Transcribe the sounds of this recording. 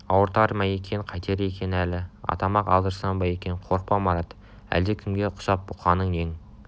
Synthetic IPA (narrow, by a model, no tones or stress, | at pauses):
ɑwəɾt̪ɑɾmæjekʲʰe̞qʰɑjt̪ʰe̞ɾekʲʰe̞nælɪɑ̰t̪ɑmɑqɑ̰lˠd̪əɾsɑnbɑje̞kʲe̞ɴqʰo̞ɾq̚pɑmɑɾɑt̪ | æ̰ld̪ekʲʰʏmɡʲe̞qʰʊ̥ʃɑp̚bʊqɑnːəɴje̞ŋ